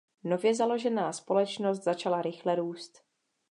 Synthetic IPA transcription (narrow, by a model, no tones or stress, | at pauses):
no̞vjɛzalo̞ʒɛnaːspo̞lɛt͡ʃno̞st̪zat͡ʃalaɾɪxlɛɾuːst̪